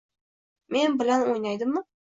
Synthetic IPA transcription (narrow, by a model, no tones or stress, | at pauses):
me̞nbɪlanojnajd̪ɪmːɪ